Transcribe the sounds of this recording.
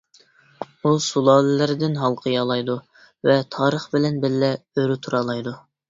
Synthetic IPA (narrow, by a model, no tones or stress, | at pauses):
usulˠɑːlɪlɪɾɪd̪ɪnɦɑlˠqʰəjɑlˠɑjd̪u | vɛt̪ʰɑːɾəχbɪlɛnbɪlːɛøɾyt̪ʰuɾɑːlˠɑjd̪u